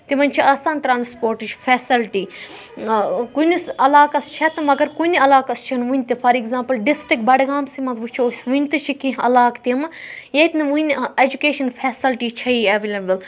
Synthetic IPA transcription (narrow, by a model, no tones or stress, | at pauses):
t̪imɐnʲt͡ʃʰiaːsaːnʈɾaːnspoːɾʈid͡ʒfeːsilʈiː | kunisɐlaːkɐst͡ʃʰɐt̪ɐmɐɡɐɾkunɐlaːkɐst͡ʃʰɐnʋunʲt̪ifʰɐɾiɡzãːmpɐlɖisʈik̚bɐɖɡaːmsimɐzʋut͡ʃʰiosʋunʲt̪ɨt͡ʃʰikĩɦɐ̰laːkt̪imjet̪nɐʋunʲeːd͡ʒukeːʃɐnfʰeːsilʈit͡ʃʰɐieʋelɐbəl